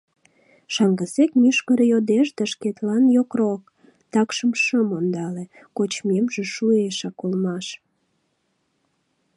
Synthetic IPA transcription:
ʃɑŋɡəsekmyʃkəɾejod̪eʃd̪ɑʃket̪lɑnjokrok̚ | t̪ɑkʃəmʃəmond̪ɑle | kot͡ɕmemʒĕʃueʃɑkulmɑʃ

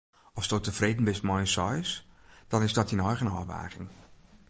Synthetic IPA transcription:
ɔsdotəfreːdn̩bɪstmɔjnsɔjsd̥ɔnɪsdɔtinɔjɣənɔːʋa̰ːɣɪŋ

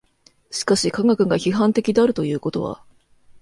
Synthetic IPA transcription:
ɕi̥kaɕikaŋɡakɯ̟ɡaçiɦãnt̪e̞kʲid̪e̞aɾɯ̟t̪o̞jɯ̟ːko̞t̪o̞βa̰

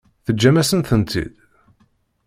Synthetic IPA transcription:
θəd͡ʒːæmæsənθənt̪ʰḭd̪̥

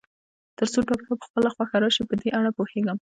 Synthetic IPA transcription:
t̪əɾsoʈɑkkapə̥xpəlaxwaxaɾɑʃipəd̪eʔaɽapoheɡəm

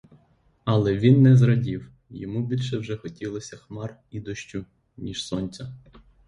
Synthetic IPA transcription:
ɐlˠɛʋʲinːɛzɾɐdʲiw | jɔ̰mubʲilʲʃɛwʒɛxɔtʲilˠɔsʲɐxmɑrid̪ɔʃt͡ʃʊ | nʲiʃsɔnʲt͡sʲɐ

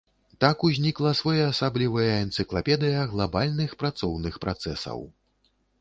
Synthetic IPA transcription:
t̪akuzʲnʲiklˠɐsvajaːsablʲivɐjɐɛnt̪sɨklˠapʲɛd̪ɨjɐɣlˠabalʲnɨxpɾat̪sɔwnɨxpɾʔat̪sɛsɐ̰w

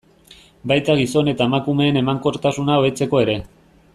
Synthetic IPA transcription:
bajt̪aɣ̞iso̞ne̞t̪aemakume̞ːne̞maŋko̞ɾt̪asunaoe̞t͡se̞ko̞e̞ɾe̞

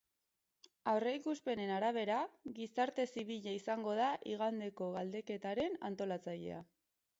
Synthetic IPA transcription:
awre̞ikuspe̞ne̞naɾaβ̞e̞ɾaɣisaɾt̪e̞siβ̞iʎaisaŋɡo̞ð̞aʔiɣ̞and̪e̞ko̞ɣald̪e̞ke̞t̪aɾe̞na̰nt̪o̞lat͡saʎe̞̰a̰

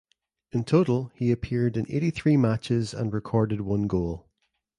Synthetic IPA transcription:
ɪ̃ntʰoʔəl̩ˠhiəpʰiɹdɪ̃nḛʔiθɹiːmat͡ʃɪzə̰̃nɹɪkʰɔɹdɪd̚wʌ̃nɡolˠ

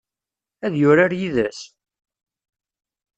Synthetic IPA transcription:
æðjʊɾaɾjiðæs

